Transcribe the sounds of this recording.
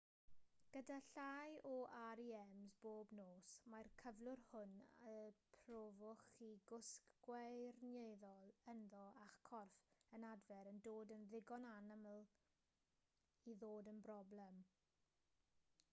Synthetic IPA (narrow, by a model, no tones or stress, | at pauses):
ɡ̥ədaɬajɔʔaɾiɛmzboːbnoːsmarkʰəvlˠʊrhʊnəpʰrovʊχiɡʊskɡ̥wɛrnjejðɔlˠənðɔaχkʰɔrfənadvɛɾəndoːdənðɪɡɔnanəmlˠ | iðoːdənbrɔblɛm